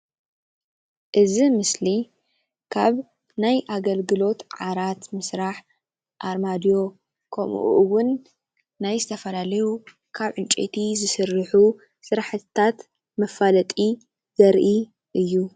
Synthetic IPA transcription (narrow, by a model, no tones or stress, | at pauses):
ʔɨzimɨsli | kʰaβ | najʔaɡɐlɡɨlo̞t̪ʕaɾat̪mɨsɾaħ | ʔaɾmad̪ijo̞ | kʰɐ̰mṵʔṵʔwʊnː | ajzɨt̪ʰɐfɐlalɐju | kʰaβʕɨnt͡ʃʼḛt̪ʰizɨsɨɾːɨħu | sɨɾaħɨt̪ʰːat̪ | mɐfalɐt̪ʼi | zɐɾʔi | ʔɨjːu